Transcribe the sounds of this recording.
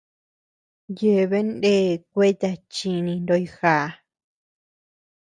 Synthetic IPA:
je˧βe˦nde˦˨k̚ʷe˦t̪a˧t͡ʃi˧nĩ˧nd̪o˧i˧xa˧˨˧

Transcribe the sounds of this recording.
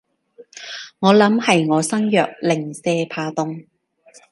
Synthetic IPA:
ŋɔː˨˧lɐ˨˥mhɐ˨jŋɔː˨˧sɐ˥ŋjœː˨k̚lɪ˨˩ŋsɛː˧pʰaː˧t̪ʊ˨ŋ

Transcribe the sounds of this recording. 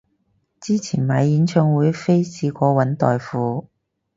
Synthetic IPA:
t͡siː˥t͡sʰiː˨˩nmaː˨˧jjiː˨˥nt͡ʃʰœː˧ŋwuː˨˧jfe˥jsiː˧kʷɔː˧wɐ˨˥nt̪ɔː˨jfuː˨˧

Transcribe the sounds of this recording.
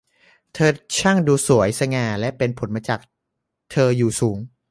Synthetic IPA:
t̪ʰɤː˧t͡ɕʰa˥˩ŋduː˧su˩˦əjsa˧ŋaː˧lɛ˦˥pe˧npʰo˩˦nmaː˧t͡ɕaː˨˩k̚ | t̪ʰɤː˧juː˨˩suː˩˦ŋ

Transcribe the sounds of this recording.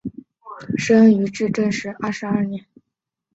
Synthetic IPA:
ʂə˥ny˧˥ʈ͡ʂɻ̩˥˧ʈ͡ʂɤ˥˧ŋʂɻ̩˥˩ɐ˥˩ʂɻ̩˧˥ɐ˥˩njɛ˧˥n

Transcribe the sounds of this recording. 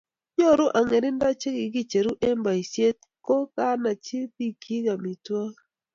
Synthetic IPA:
ɲo˦˨ɾʊ˦ʔa˨ŋe˨ɾɪ˦nda˦t͡ʃe˦ɡɪ˨ɡi˦t͡ʃe˨ɾu˦ʔe˦mba˨i˨sje˦t̪̚ | ko˦ka˦na˨t͡ʃi˦pi˦kʰi˦ɡa˨mi˨twɔ˦

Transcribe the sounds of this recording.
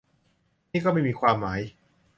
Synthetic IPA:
niː˥˩kɔː˥˩ma˥˩jmiː˧kʰwaː˧mːaː˩˦˥j

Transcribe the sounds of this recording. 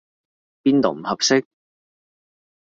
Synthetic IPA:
piː˥nt̪o˨wm̩˨˩hɐ˨p̚sɪ˥k̚

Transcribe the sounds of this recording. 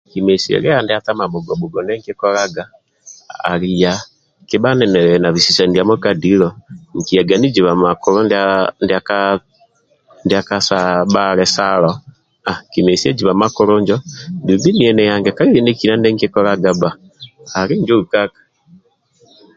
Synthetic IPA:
kime˨siɛ̰˨ɾɛ˦andɪa˦ta˦ma˨mo˨ɡɔ˨bo˨ɡɔ˨nɛ˦ŋki˦kɔɾa˦ɡa˦ | a̰˨ɾija | kɪβa˦nɛ˨nɛɾɛna˨βi˨si˨sa˨ndja˦mo˦kadilɔŋ˨ki˨a˨ɡa˨ni˦d͡ʒiβa˨makʊ˦ɾo˦ndndaka | ndjakasaβaɾɛsalɔ | a˨kime˨siɛ˦d͡ʒiβa˨makʊ˦ɾʊɲd͡ʒɔndu˨mbi˦ni˨ɛ˨nɛjaŋɡɛka˦ɾiɾi˦ne˦ki˨na˦nɛ˦ŋkikɔɾaɡaba˨ | a˨ɾi˦ɲd͡ʒo˦ukakḁ

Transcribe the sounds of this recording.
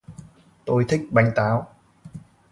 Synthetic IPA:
t̪o˧jt̪ʰi˦˥k̚ɓa˧jŋ̟t̪aː˨˦w

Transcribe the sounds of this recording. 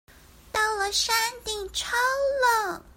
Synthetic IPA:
t̪ɑ˥˩ʊlə˨˩ʂa˥nt̪i˥˩ŋʈ͡ʂʰɑ˥ʊlə˥˩

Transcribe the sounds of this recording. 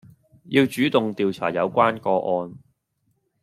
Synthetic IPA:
jiː˧wt͡ʃyː˨˥t̪ʊ˨ŋt̪iː˨wt͡sʰa̰ː˨˩jɐ˨˧wkʷaː˥nkɔː˧ʔɔː˧n

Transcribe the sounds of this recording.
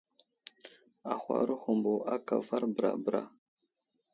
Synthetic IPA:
a˨xʷa̰˨ɾə˦xu˨mbo˨a˦ka˨va˦ɾbɾa˨bɾa̰˨

